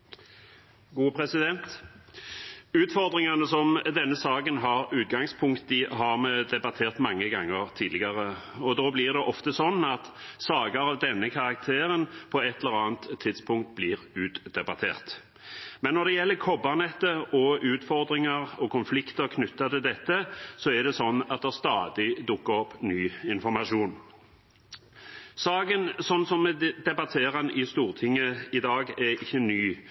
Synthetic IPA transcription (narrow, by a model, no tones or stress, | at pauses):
ɡuːpʰɾɛsɪd̪ɛnt̪ | ʉːt̪fɔɾd̪ɾɪŋɑnəsɔmd̪ɛnːəsɑːkənɦɑʁʉːt̪̚ɡɑŋspʰʊŋkt̪ɪɦɑʁmɛd̪ɛbɑt̪ʰeːʁt̪mɑŋːəɡɑŋːəʁt̪ʰiːd̪lɪɡɑʁə | ɔd̪oːblɪʁd̪ɛʔɔft̪əsɔnːɑt̪sɑːɡəɾɑʋd̪ɛnːəkʰɑʁɑk̚t̪ʰeːʁənpʰɔɛt̪ʰːɛləɾɑːnt̪ʰːɪd̪spʰʊŋkt̪̚bliːʁʉːt̪d̪̥ɛbɑt̪ʰḛːʁt̪ | mɛnːɔʁd̪ɛjɛlːəkʰɔbɑʁnɛt̪ːəɔʉːt̪fɔʁd̪ɾɪŋəʁɔkʰʊnflɪkt̪əɾkʰnʉt̪ːɑt̪ʰɪld̪ɛt̪ːəsɔɛd̪ɛsɔnːɑt̪̚d̪ɛʁst̪ɑːd̪ɪd̪ʊkːəɔpnyːɪnfɔɾmɑʂuːn | sɑːɡənsɔnːsɔmd̪ɛbɑt̪ʰeːʁənʔɪst̪uːʁt̪ʰɪŋːəɪd̪ɑːɡɛɪçːənyː